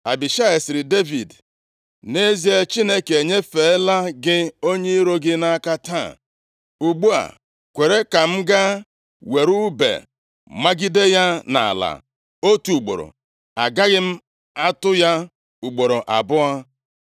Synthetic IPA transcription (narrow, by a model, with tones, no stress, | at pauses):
a˨bi˨ʃa˦e˨sɪ˨ɾɪ˨de˦vi˨d | ne˦zi˦e˦t͡ʃi˦ne˦ke˨ɲe˦fe˨˦la˦ɡɪ˦o˦ɲe˦i˦ɾo˦ɡɪ˦na˦ka˦ta˦˨ | u˨ɡ͡bu˦a̰˨ | kʷe˨ɾe˦ka˨m̩˦ɡa˦ | we˨ɾu˦bḛ˨ | ma˦ɡi˦de˦ja˦na̰˨a̰˨la̰˨ | o˦tu˨u˨ɡ͡bo̰˨ɾo̰˨ | a˨ɡa˦ɣɪ˦m̩˦ | a˦tʊ˦ja˦ | u˨ɡ͡bo˨ɾo˨ʔa̰˨bʊ˦a˦